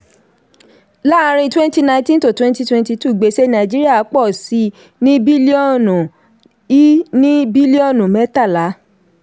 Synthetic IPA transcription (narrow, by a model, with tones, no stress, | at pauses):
la˦˧ɾ̃ĩ˧twɛ̃˦n˦ti˦nã˧˦tĩ˦n˨to˦˨twɛ̃˦nti˦twɛ̃˦n˦ti˧tu˦˨ɡ͡be˨˦ʃe˦nã˨i˨d͡ʒi˦ɾi˦a˦˨a˨˦k͡pɔ˦˨si˧˦ | nĩ˦bi˦li˦ɔ˦˨nũ˨ | i˦nĩ˦bi˦li˦ɔ˦˨nũ˨mɛ̃˨˦ta˦˨la˨˦